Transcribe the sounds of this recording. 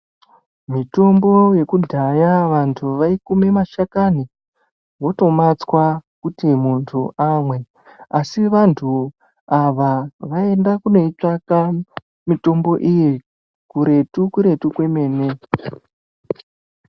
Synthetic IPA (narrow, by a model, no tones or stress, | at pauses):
mito̞mbo̞je̞kudʱajaʋantʰuʋaikumemaʃakani | wo̞to̞mat͡swakutimuntʰuʔamwe̞ | asiʋantʰu | aʋaʋae̞ndakunoit͡ʂaka | mito̞mbo̞ʔiji | kuɾe̞tukuɾe̞tukwe̞me̞ːne̞